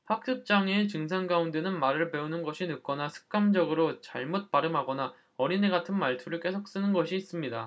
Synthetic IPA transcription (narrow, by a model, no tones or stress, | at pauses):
ɸak̚t͈ʰɯp̚t͡ɕ͈aŋe̞t͡ɕɯŋsʰanɡaunde̞nɯnmaɾɯɭpe̞unɯnɡʌɕʰinɯk͈ʌnasʰɯ̥k̚k͈amd͡ʑʌɡɯɾot͡ɕa̰ɭmot̚p͈aɾɯmɦaɡʌna | ʌɾineɡatʰɯnmaɭtʰuɾɯɭk͈e̞sʰok̚s͈ɯnɯnɡʌɕʰiːs͈ɯmɲida